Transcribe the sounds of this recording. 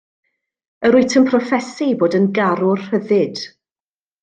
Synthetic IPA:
əɾʊɨtʰəmpʰrɔfɛsiboːdənɡaɾʊrhəðɪd̥

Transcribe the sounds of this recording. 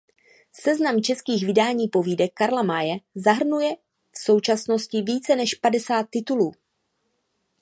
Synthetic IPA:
sɛznamt͡ʃɛskiːɣvɪdaːɲiːpo̞viːdɛkːaɾlamajɛzaɦr̩nujɛ | fso̞wt͡ʃasno̞scɪviːt͡sɛnɛʃpadɛsaːt̪ːɪt̪uluː

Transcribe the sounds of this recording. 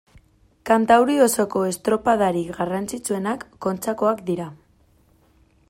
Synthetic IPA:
kant̪awɾio̞so̞ko̞e̞st̪ɾo̞paðaɾiɣarant͡sit͡sue̞nakːo̞nt͡sako̞akd̪iɾa

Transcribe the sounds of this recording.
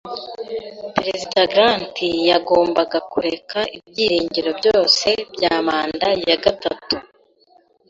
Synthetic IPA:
pɾezidaɡɾantijaɡo̞ːmbaɡakuɾe̞kaʔibɟiːɾiːɲɟiɾo̞bɟo̞ːse̞bɟaːmaːndajaɡatatu

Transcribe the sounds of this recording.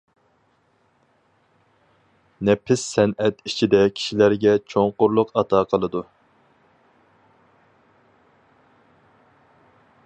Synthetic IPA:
nɛpʰɪsːɛnɛt̪it͡ʃʰid̪ɛkʲʰi̥ʃilæɾɡʲɛt͡ʃʰoŋqʊɾlˠʊqɑt̪ʰɑqʰəlˠɨd̪u

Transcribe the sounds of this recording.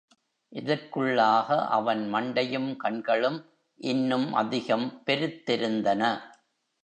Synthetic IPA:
ʔɪðɐrkɯɭːaːɣɐʔɐ̰ʋɐnmɐɳɖɐjɯmkɐɳɡɐɭɯm | ʔɪnːɯmʔɐ̰ðɪɣɐmpɛɾɯt̪ːɪɾɯnd̪ɐnɐ

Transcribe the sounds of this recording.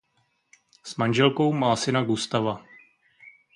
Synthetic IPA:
smanʒɛlko̞wmaːsɪnaɡust̪ava

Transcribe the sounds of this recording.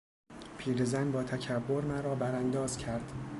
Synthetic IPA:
pʰiːɾezænbɒːt̪ʰæcʰæbːo̞ɾmæɾɒːbæɾænd̪ɒːz̥cʰæɾd̪̥

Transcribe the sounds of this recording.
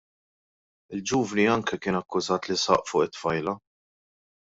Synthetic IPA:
ɪld͡ʒuːvniɐŋkɛkɪːnɐkːʊzɐːt̪lɪsɐ̰ʔfʊːʔɪt̪ːfɐjlɐ

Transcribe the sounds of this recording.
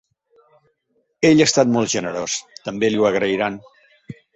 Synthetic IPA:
eʎaːst̪at̪mɔlˠt̪ʒənəɾost̪əmbeliwəɣɾəiɾan

